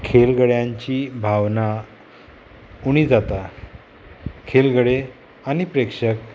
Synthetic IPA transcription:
kʰelɡəɽjãɲt͡ɕiːbʱaʋna | uɽ̃id͡zat̪a | kʰelɡəɽe | anipɾekʂək

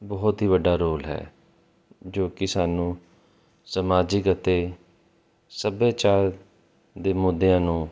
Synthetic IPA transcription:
bɔːʊt̪ɦiːʋəɖaːɾoːlɦɛ̰ː | d͡ʒoːkɪsaːnũː | səmaːd͡ʒɪkət̪eː | səbeːt͡ʃaːɾ | d̪eːmʊd̪ːejãːnũː

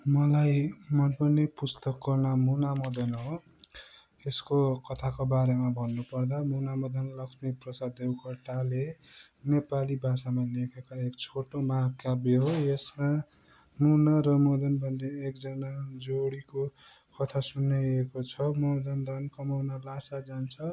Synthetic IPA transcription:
mʌlajmʌnpʌnepust̪ʌkːʌnamunamʌd̪ʌnɦo | eskokʌt̪ʰakobaɾemabʱʌnːupʌrd̪amunamʌd̪ʌnlʌksmiprʌsad̪ewkʰʌʈale | nepalibʱasamalekʰekaekt͡sʰoʈomakabeɦojesma | munaɾʌmʌd̪ʌnbʱʌnd̪eekd͡zʌnad͡zoɽiko | kʌt̪ʰasunːeekot͡sʰʌmʌd̪ʌnd̪ʌnkʌmawnalasad͡zant͡sʰʌ

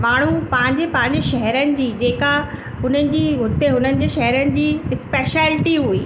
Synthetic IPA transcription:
maːɽ̤̃upɐ̃ɦɪ̃ɲd͡ʑepɐ̃ɦɪ̃ɲ̆d͡ʑeʃɐɦɾənɪ̆d͡ʑiːd͡ʑeːka | ɦʊn̤ənɪ̆d͡ʑiːɦʊt̪eɦʊn̤ənɪ̆d͡ʑeːʃɛɦɛɾənɪ̆d͡ʑiːspeːʃɛːlɪʈiɦuḭː

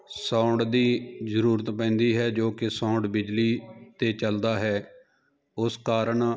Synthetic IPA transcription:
sãːɳɖd̪iːzəɾuːɾət̪pɛ̃ːnd̪iːɦɛːd͡ʒoːkɪsãːʊɳɖbɪd͡ʒliːt̪eːt͡ʃəld̪aːɦɛː | ʊskaːɾəɳ

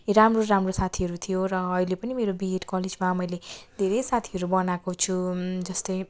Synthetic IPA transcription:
ɾamroɾamrosat̪ʰiɦʌɾut̪ʰijoɾʌːilepʌnimeɾobiɦeʈkʌled͡zmamʌjled̪ʱeɾejsat̪ʰiʌɾubʌnakot͡sʰud͡zʌst̪ʌj

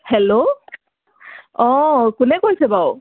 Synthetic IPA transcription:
hɛlo | ɔ̃kʊnɛkojsɛbaw

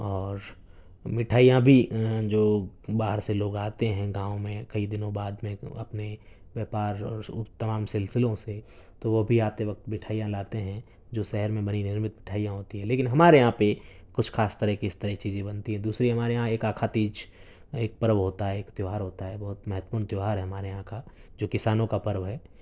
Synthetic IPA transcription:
ɔːɾ | mɪʈʰaːijãbʱid͡ʒoːbaːɦəɾseloːɡaːt̪eɦɛ̃ɡãːõmẽkɐid̪ɪnõbaːd̪mẽɐ̰pne | ʋjɛːpaːɾɔːɾʊt̪ɐmaːmsɪlsɪlõse | t̪oʋobʱiaːt̪eʋɐk̚t̪mɪʈʰaːijãlaːt̪eɦɛ̃ | d͡ʒoːʃɛɦɛɾmẽbɐninɪɾmɪt̪̚bɪʈʰaːijãɦoːt̪iɦɛ̃leːkɪnɦɐmaːɾejɦãpekʊt͡ʃʰkʰaːst̪əɾɛɦkiɪst̪əɾɛɦt͡ʃiːzẽbɐnt̪iɦɛ̃d̪uːsɾiɦɐmaːɾejɦãeːkaːkʰat̪iːd͡ʒ | eːk̚pəɾʋɦoːt̪aɦɛeːkt̪joːɦaːɾɦoːt̪aɦɛbɐɦʊt̪mɛɦət̪puːɾnt̪joːɦaːɾɦɛɦɐmaːɾejɦãkad͡ʒoːkɪsaːnõkapɐɾʋɦɛː

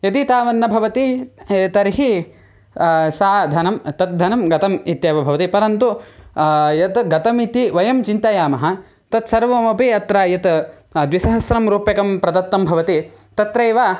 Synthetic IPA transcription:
jɐt̪it̪aːʋɐnːɐbʱɐʋɐt̪it̪ɐɾɦi | saːd̪ʱɐnɐmt̪ɐt̪̚d̪ʱɐnɐmɡɐt̪ɐmit̪jaːʋɐbʱɐʋɐt̪ipɐɾɐnt̪u | jɐt̪ɡɐt̪ɐmit̪iʋɐjɐmt͡ʃint̪ɐjaːmɐɦɐ | t̪ɐt̪sɐɾʋɐmɐpiɐt̪ɾaːjɐt̪ | d̪ʋisɐɦɐsɾɐmɾuːpjɐkɐmpɾɐd̪ɐt̪ːɐmbʱɐʋɐt̪i | t̪ɐt̪ɾɐjʋaː

